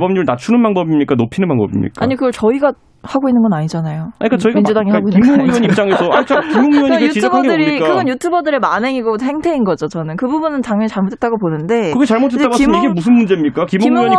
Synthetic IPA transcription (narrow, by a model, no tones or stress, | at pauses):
bʌmɲiɾɯɭnat͡ɕʰunɯnbaŋbʌbimɲik͈anopʰinɯnpaŋbʌbḭmɲḭkk͈aɲikɯɡʌɭt͡ɕʌiɡa | haɡoinːɯnɡʌnaɲid͡ʑanajoaɲik͈at͡ɕʌiɡmaind͡ʑudaŋiaɡoinːioŋiʌɲit͡ɕ͈aŋesʰʌat͡ɕ͈ʰakimoŋiwʌɲiɯutt͡ɕid͡ʑʰbʰaɡeɯɾikkɯɡʌnjutʰubʌdɯɾe̞manɦe̞ŋiɡohʰe̞ŋtʰeinɡʌd͡ʑot͡ɕʌnɯnkɯbubunɯntaŋjʌɲit͡ɕaɭmotʰet͈aɡoponɯnde̞kɯɡet͡ɕaɭmotʰeaɡoasɯmeiɡemus̬ʰɯnmund͡ʑe̞mɲik͈akimoŋiwʌɲi